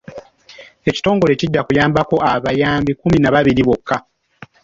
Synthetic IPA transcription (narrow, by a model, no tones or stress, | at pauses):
e̞ci̥to̞ːŋɡo̞le̞ciɟːakujaːmbako̞aβajaːmbikuminaβaβiɾiβo̞kːa